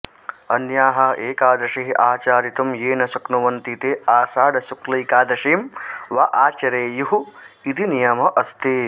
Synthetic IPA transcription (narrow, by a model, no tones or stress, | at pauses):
ɐnjaːɦɐeːkaːd̪ɾɐʂɐɦiʔaːt͡ʃaːɾit̪ɐmjeːnɐsɐknuʋɐnt̪it̪eːaːsaːɖɐsuklɐjkaːd̪ɾɐʂeːmʋɐʔaːt͡ʃɐɾeːjuɦuit̪inijɐmɐʔɐst̪eː